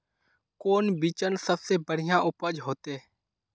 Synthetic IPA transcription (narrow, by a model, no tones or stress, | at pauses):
koːnbiːt͡ʃənsəbseːbəɽ̤ɪjãːʔʊpəd͡ʒɦoːt̪eː